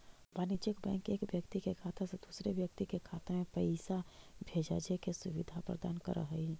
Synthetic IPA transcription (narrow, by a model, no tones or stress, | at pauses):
banit͡ʃəkbɛ̰̃ːŋkeːkbjəkt̪ikekʰaːt̪ʰased̪usɾebjək̚t̪ikekʰat̪amẽpəɪsabʱeːd͡ʒa̰d͡ʒekesʊʋid̪ʱapɾə̰d̪a̰ːnkə̰ɾə̰ɦə